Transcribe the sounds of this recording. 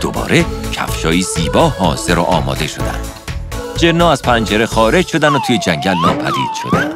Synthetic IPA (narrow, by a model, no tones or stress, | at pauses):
d̪̥o̰bɒ̰ːɾecʰæ̰fʃɒːiːziːbɒːhɒːz̥e̞ɾɔ̰ʔɒːmɒ̰ːd̪e̞ʃo̞̰d̪æ̰nd̪̥ | d͡ʒeɾnɒːæz̥pʰænd͡ʒeɾexɒːɾed͡ʒʃod̪ænot̪ʰuːjed͡ʒæŋɟælnɒːpʰæd̪ḭːd̪̥ʃo̞̰d̪æ̰n̥